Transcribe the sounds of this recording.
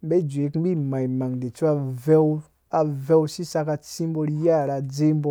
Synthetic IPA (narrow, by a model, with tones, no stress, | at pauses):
be˦˨d͡ʒʷe˨˦kbi˦ma˨jma˨ŋde˨t͡su˦a˧vɛ˦w | a˨vɛ˦wsi˦sa˧ka˧t͡si˦m˦bo˧ɾi˦ja˦˨ɾa˧d͡ze˦mbo˧